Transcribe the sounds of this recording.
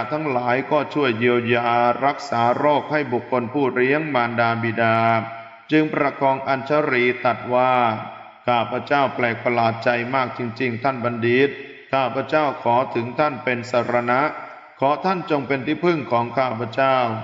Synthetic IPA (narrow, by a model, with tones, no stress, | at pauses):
a˧˩t̪ʰa˦˥ŋlaː˩˦jkɔː˥˩t͡ɕʰu˥˩əjːiː˧əwjaː˧ɾa˦˥k̚saː˩˦ɾoː˥˩k̚ha˥˩jbu˨˩kʰːo˧npʰuː˥˩ɾi˦˥əŋmaː˧ndaː˧bi˨˩daː˧ | t͡ɕɯ˧ŋpɾa˧kɔː˧ŋʔa˧nt͡ɕʰa˦˥ɾiː˧t̪a˨˩t̪̚waː˥˩ | kʰaː˥˩pʰa˧t͡ɕaː˥˩wplɛː˨˩k̚pa˧laː˨˩t̪̚t͡ɕa˧jmaː˥˩k̚t͡ɕi˧ŋt͡ɕi˧ŋt̪ʰa˥˩nba˧ndiː˨˦˩t̪̚ | kʰaː˥˩pʰa˧˥t͡ɕaː˥˩wkʰɔː˩˦t̪ʰɯ˩˦ŋt̪ʰa˥˩npe˧nsaː˧˩ɾa˧na˦˥ʔ | kʰɔː˩˦t̪ʰa˥˩˨nt͡ɕo˧ŋpe˧nt̪ʰiː˥˩pʰɯ˥˩ŋkʰɔː˩˦ŋkʰaː˥˩pʰa˧t͡ɕaː˥˩w